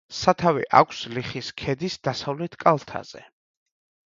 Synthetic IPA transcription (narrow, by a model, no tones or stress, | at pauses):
sat̪ʰavḭʔa̰kʷʰsliχiskʰɛd̪isd̪asavlɛt̪ʰkʼalˠt̪ʰa̰z̥ɛ̰